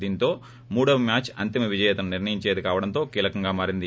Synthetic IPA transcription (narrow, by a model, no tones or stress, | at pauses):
d̪iːnt̪o̞ː | muːɽɐʋɐmjaːt͡ʃɐ̰nt̪imɐʋid͡ʒɐjɐːt̪ɐnɐniɾnɐjiɲt͡ʃe̞ːd̪ikaːʋɐɽɐnt̪o̞ːkiːlɐkɐŋɡaːmaːɾind̪i